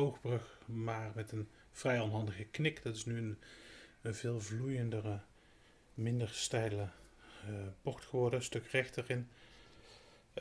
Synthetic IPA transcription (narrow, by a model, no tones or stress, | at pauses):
owxbrɵxmaːrmɛtən | v̥rɛjɔnɦɑndəɣəknɪkdɑtɪsnyən | vɪːlˠvlujəndərə | mɪndəɹstɛjlə | pɔɹtxəʋɔɹdəəstɵkrɛxtərɪn